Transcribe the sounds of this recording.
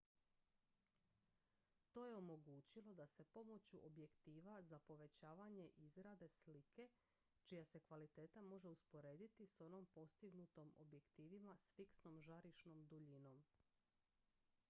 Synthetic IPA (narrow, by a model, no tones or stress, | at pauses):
t̪o̞ːje̞o̞mo̞ɡuːt͡ɕilˠo̞d̪ase̞po̞mo̞t͡ɕuʔobje̞kt̪iːʋazapo̞ʋe̞t͡ɕaːʋaɲe̞ʔizɾad̪e̞slike̞ | t͡ʃijase̞kʋalit̪e̞ːt̪amo̞ʒe̞uspo̞ɾe̞ːd̪it̪iso̞no̞mpo̞st̪iɡnut̪o̞mo̰bje̞kt̪iːʋimasfiksno̞mʒaɾiʃnomd̪uʎino̞m